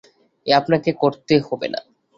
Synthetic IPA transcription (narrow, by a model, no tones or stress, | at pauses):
eapnakekoɾt̪ehɔbḛna̰